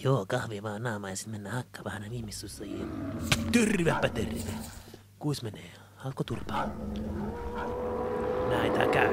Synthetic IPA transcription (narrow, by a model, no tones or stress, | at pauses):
joːkɑhʋiʋɑːnnɑːmɑjɑsi̥t̪menːæːhɑkːɑ̥ʋɑhɑneʋihmisːusːɑji | t̪yrʋepːæt̪erʋe | kuismeneː | hɑlkːot̪urpɑ | næit̪æ̰kæ